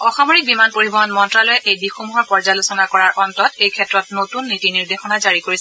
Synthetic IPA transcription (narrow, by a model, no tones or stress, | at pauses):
ɔxamoɹik̚bimanpoɹibɔɦɔnmɔntɹalɔjɛʔejdixomuɦɔɹpɔɹzalosɔnakɔɹaɹʔɔntɔtejkʰɛtɹɔt̚notunːitiniɹdexɔnazaɹikoɹisɛ